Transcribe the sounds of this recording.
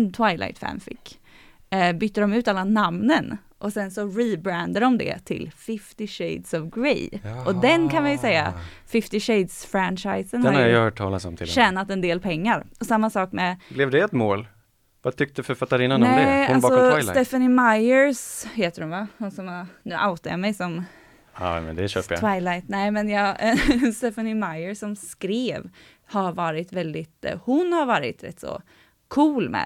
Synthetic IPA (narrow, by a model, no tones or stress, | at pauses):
nt̪ʰwajlʔa̰jt̪fæ̰nfɪ̰kː | bʏt̪ːəd̪ɔmʉ̟ːt̪alːanamnən | ʔɔsɛnsɔɾibɾænd̪əɖɔmd̪ɛ̰t̪ʰɪ̰lfɪft̪ɪɕeɪd̪sɔvɡɾɛ̰jʔɔd̪ɛnkʰanvɪjsɛjːa̰fɪft̪ɪɕeɪd̪sfɾænʂajsənhɛnɾhaɾajhœːʈ̚ʰːɑ̰ːlasɔ̰mt̪ʰɪlʃɛnːat̪ɛnd̪eːlpʰɛŋːaɾɔsamːasɑːkmɛblɛvd̪ɛɛt̪moːl | vat̪ʰʏk̚t̪əʉfœɾfat̪ːaɾɪːnːanɛɛalbsɔɛfanɪmajəɾsheːt̪əɾʊnvahʊnsɔmnʉːʔaʊt̪aja̰mɛjsɔm | a̰mɛ̰nd̪ɛɕøːtpəja̰waɪlaɪt̪nɛːmɛnjɑːst̪ɛfanɪmajəsɔmskɾeːv | haɾvɑːɾɪt̪vɛld̪ɪt̪hʊnhaɾvɑːɾɪ̰t̪ɾɛ̰t̪ːsɔ̰ | kʰuːlmɛ̰